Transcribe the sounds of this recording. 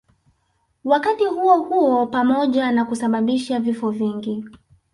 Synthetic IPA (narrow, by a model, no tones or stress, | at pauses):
wakatihuɔhuɔpamɔʄanakusaɓaɓiʃavifɔviŋɡi